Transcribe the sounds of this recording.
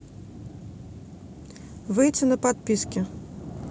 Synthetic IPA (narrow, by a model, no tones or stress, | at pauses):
vɨjt͡sʲɛnɐpat̪̚pʲiskʲi